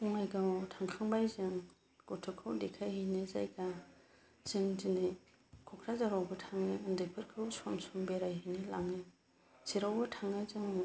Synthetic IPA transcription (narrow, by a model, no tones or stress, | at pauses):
uŋajɡawtʰaŋkʰaŋbajzɯŋ | ɡɔtʰɯkʰɯwdekʰajhiniza̰jɡa | z̥ɯŋzɯni | kʰɔkʰɾazaɾawbɯtʰaŋnɯndɯpʰɯɾkʰɯwsɔmsɔmbeɾajɦinila̰ŋɯ | siɾawbɯtʰaŋɯzɯŋ